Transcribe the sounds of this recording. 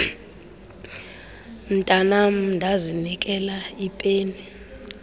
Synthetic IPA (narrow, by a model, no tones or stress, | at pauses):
m̩tʼanam̩ndʱazinik̬ʼɛlaipʼeːni